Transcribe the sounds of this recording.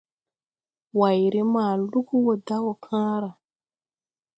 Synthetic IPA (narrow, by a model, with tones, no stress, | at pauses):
wa˨jɾi˦maː˨lu˦ɡu˦wo˨da˦wo˨kʰãː˦ɾa˨